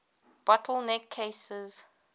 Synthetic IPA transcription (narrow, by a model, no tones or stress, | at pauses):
b̥ɔtʰəlˠnɛkʰːeɪsəz